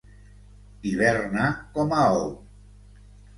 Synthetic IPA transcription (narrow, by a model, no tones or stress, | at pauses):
iβeɾnakomaow